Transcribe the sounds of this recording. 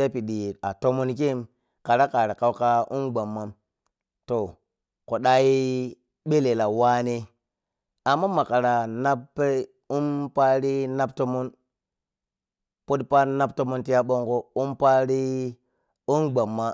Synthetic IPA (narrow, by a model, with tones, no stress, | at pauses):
a˦pi˨ɗi˨a˨to˦mo˦nke˦m | ka˨ɾa˦ka˨ɾe˨ka˦wka˦ʔu˦mɡ͡ba˨mːa˦m | to˨ | ko˨ɗa˦ji˦ | ɓe˦le˨la˨wa˦ne˦ | a˨mːa˦ma˨ka˨ɾa˨na˦ppːe˦ | u˦mpa˦ɾi˦na˦b̚to˦mo˦n | po˦tpa˦na˦p̚to˦mo˦nti˦ja˦ɓo˦ŋɡo˦u˦mpa˦ɾi˦ | u˦nɡ͡ba˨mːa˦